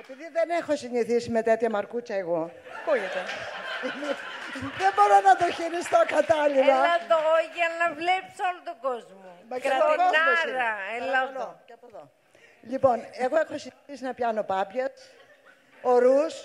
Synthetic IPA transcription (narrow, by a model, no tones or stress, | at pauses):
epiðiðenexo̞siɲiθisime̞t̪et̪çɐmɐɾkucɐeɣo̞ | puit̪ɐimisðembo̞ɾonɐt̪oçiɾist̪okɐt̪ɐlilɐɐt̪oʝɐnɐvlepsolot̪oɡozmumɐkeɐt̪oonaosɾɐelɐɐocɐpoðo | ʎipo̞neɣo̞e̞xo̞siɲiθisinɐpçɐno̞pɐpʝɐs | o̞ɾus